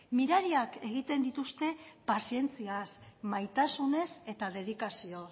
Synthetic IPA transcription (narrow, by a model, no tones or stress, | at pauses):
miɾaɾiake̞ɣ̞it̪e̞nd̪it̪ust̪e̞pasie̞nt͡siasmajt̪asune̞se̞t̪aðe̞ð̞ikasio̞